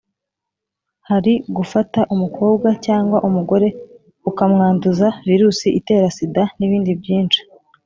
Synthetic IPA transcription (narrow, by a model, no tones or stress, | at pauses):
haɾiɡufataʔumukʰo̞ːbɡacaːŋɡwaʔumuɡo̞ɾe̞ | ukamŋaːnduzaviɾuːsiʔite̞ːɾasidaniβiːndibjiːnt͡ʃi̥